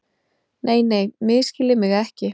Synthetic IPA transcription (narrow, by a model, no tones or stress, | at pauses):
nʔeːjneːjmɪðscɪlɪmɪɣɛhcɪ